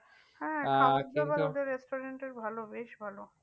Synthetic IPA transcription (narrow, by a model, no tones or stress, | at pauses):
hɛ̃aakbad̪eɾːesʈoɾeɳʈeɾbʱalobeʃbʱalo